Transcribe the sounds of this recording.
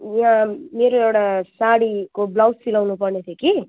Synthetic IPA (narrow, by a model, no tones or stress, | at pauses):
jãmeːɾoewʈasaɽikoblawsilawnupʌrnet̪ʰjeki